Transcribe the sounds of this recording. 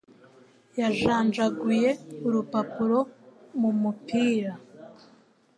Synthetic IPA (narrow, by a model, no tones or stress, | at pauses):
jaʒaːnd͡ʒaɡuje̞uɾupapuɾo̞mumupiːɾa